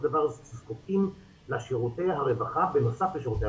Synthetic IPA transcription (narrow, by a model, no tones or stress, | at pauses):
d̪avaʁzt͡siskotim | laʃiʁut̪ejɦaʁevaχabenosafbeʃiʁut̪e